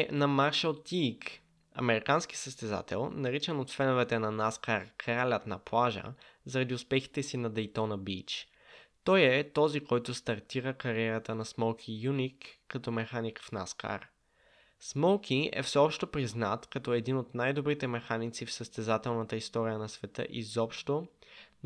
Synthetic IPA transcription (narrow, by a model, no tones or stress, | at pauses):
nɐmaɾʃəlˠt̪ik | ɐ̰mɛɾikansk̟i̥səst̪ɛza̰t̪ɛ̰lˠnɐɾit͡ʃɛnot̪fɛnovɛt̪ɛnɐnaskaɾkɾalʲət̪nɐplˠaʒə̰ | zɐɾɐd̪iʊspɛxi̥t̪ɛsinɐd̪ɛjt̪ɔnɐbit͡ʃ | t̪ɔjɛt̪ɔzikɔjt̪ʊst̪ɐɾt̪iɾəkɐɾiɛɾət̪ənɐsmɔlˠkʰijunikːɐt̪ɔmɛxanikfna̰ska̰ɾ | smɔlˠkʰʲiɛ̰fsɛɔpʃt̪opɾiznat̪kɐt̪ɔɛd̪inot̪najd̪obɾit̪ɛmɛxanit̪sifsəst̪ɛzat̪ɛlˠnət̪əist̪ɔɾijənɐsvɛt̪ə̰ʔizɔpʃt̪o